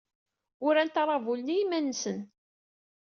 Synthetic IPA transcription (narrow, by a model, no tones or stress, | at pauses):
ʊɾænt̪ɾˤɑvulnijimænːsən